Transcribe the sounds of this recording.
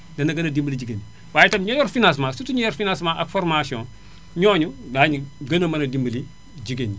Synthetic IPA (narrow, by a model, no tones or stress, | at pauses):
dɐnɐɡɐnɐdimbəlid͡ʒiɡeni | waːjtɐmɲojɔɾfinãsmasutiɲojɔɾfinãsmaʔakfoɾmasiõ | ɲoːɲudaɲɡɐnɐmɐnɐdimbɐli | d͡ʒiɡeni